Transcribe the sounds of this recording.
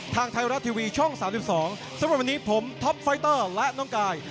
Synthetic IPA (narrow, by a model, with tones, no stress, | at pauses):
t̪ʰaː˧ŋt̪ʰa˧jɾa˦˥t̪ʰːiː˧wiː˧t͡ɕʰɔ˥˩ŋsaː˩˦msi˨˩p̚sɔː˩˦ŋ | sa˨˦mɾa˨˩p̚wa˧niː˦˥pʰo˩˦mt̪ʰɔ˦˥p̚fa˦˥jt̪ɤː˥˩lɛ˦˥ʔnɔː˥˩ŋkaː˧j